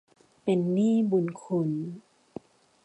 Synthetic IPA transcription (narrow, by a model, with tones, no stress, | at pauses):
pe˧nːiː˥˩˨bu˧nkʰu˧n